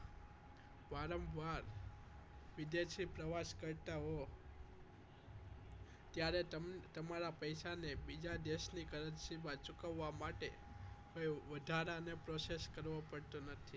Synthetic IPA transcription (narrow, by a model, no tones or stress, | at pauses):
baɾəmbʱaɾ | ʋɪd̪eʃipɾəʋaskəɾt̪aɦo | t̪jaɾet̪əmaɾapəjsanebid͡ʒad̪eʃnikəɾəd̪sibat͡ʃʊkəʋːamaʈe | kojʋəd̪ʱaɾanepɾoseskəɾʋopəɽt̪onət̪ʰi